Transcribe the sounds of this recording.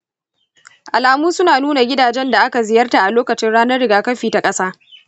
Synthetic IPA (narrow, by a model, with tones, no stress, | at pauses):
ʔa˨laː˨muː˦sʊ˦naː˨nuː˦na˨ɡʲɪ˦daː˨d͡ʒɛ˦nda˨ʔa˦ka˨zɪ˨jɐ˦rta˨ʔa˨loː˦kɐ˨t͡ʃɪ˦nɽaː˦nɐ˦rɽɪ˨ɡaː˨kɐ˦ɸiː˨ta˨kʼɐ˦saː˦